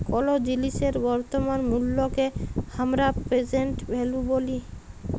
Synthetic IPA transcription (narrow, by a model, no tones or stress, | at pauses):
kɔlod͡ʑiliʃeɾbɔɾt̪omanmulːokehamɾapɾed͡ʑeɳʈbeluboli